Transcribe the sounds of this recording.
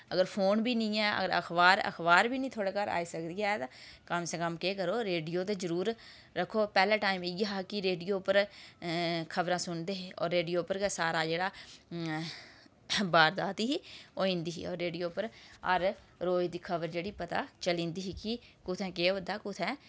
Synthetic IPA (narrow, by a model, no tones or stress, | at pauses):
əɡəɾpʰoːnbʱiːnəĩːɛːə̰ɡəɾə̰xʰbaːɾə̰xʰbaːɾbiːnəĩːt̪ʰoːɽeːkaɾa̰ːiːsəkd̪iːaːt̪akəmseːkəmkeːkəɾoːɾeːɖijoːt̪̬ezəɾuːɾː | əkʰːoːpɛːlaːʈaːimɪjaɦaːkɪɾeːɖijoːpəɾ | kʰəbɾãːsʊnd̪eːɦeːɔ̰ːɾːeːɖijoːpəɾɡəsaːɾaːd͡ʒeːɽaː | baːɾd̪aːt̪iɦiːoːɪ̃nd̪iːɦḭːɔ̰ːɾːeːɖijoːpəɾə̰ɾ | ɾoːid̪iːkʰəbəɾd͡ʒeːɽiːpət̪a̰ːt͡ʃəlĩːnd̪iːɦiːkikʊt̪ʰɛ̃ːkeːʋəd̪aːkʊt̪ʰɛ̃ː